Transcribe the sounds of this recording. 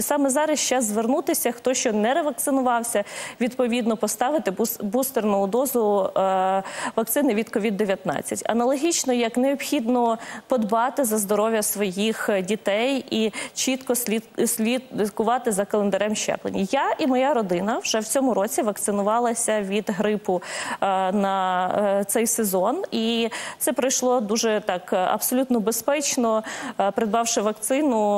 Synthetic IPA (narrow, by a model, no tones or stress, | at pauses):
isɑmɛzɑɾɐst͡ʃɛzʋernut̪ɪsʲɐxt̪ɔʃt͡ʃɔnɛɾeʋɐk̚t̪sɪnʊʋɑwsʲɐʋʲid̪pɔʋʲid̪nɔpɔst̪ɑʋɪt̪ɪbust̪ernʊʊd̪ɔzʊ | ʋɐk̚t̪sɪnɪʋʲid̪kɔʋʲid̪ːeʋʲjɐt̪nɑ̰t͡sʲːɐtʲɐ̰nɐlˠɔɦʲit͡ʃnɔjɐkneɔbxʲid̪nɔpɔd̪bɑt̪ɪzɐzd̪ɔɾɔʋʲjɐsʋɔjixdʲit̪ɛjit͡ʃit̪kɔisʲlʲikʊʋɑt̪ɪzɐkɐlˠend̪ɐɾɛmʃɛ̰plˠḛnʲijaʔimɔjaɾɔd̪ɪnɐwʒɛwt͡sʲɔmʊɾɔt͡sʲiʋɐkt̪sɪnʊʋɑlˠɐsʲɐʋʲid̪ɦɾɪpʊ | nɐ | t̪sɛjsezɔnit̪sɛpɾɔjʃlˠɔd̪uʒɛt̪ɑkɐ̰b̥sɔlʲut̪nɔbespɛt͡ʃnɔpɾed̪̚bɑwʃɪʋɐkt̪sɪnʊ